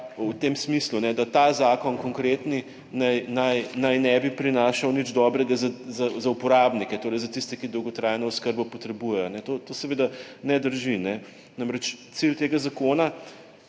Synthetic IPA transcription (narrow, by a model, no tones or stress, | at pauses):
wt̪eːmsmislunɛd̪at̪azaːkɔnkɔŋkɾeːt̪ni | najnajnajnɛbipɾinaːʃawnid͡ʒd̪ɔbɾɛɡazazazaupɔɾaːbnikɛt̪oːɾɛjzat̪ist̪ɛkid̪ɔwɡɔt̪ɾajnɔʊskəɾbɔpɔt̪ɾɛbujɛjɔnɛt̪ot̪osɛʋeːd̪anɛd̪əɾʒinɛ | namɾɛt͡ʃt̪silt̪eːɡazakoːna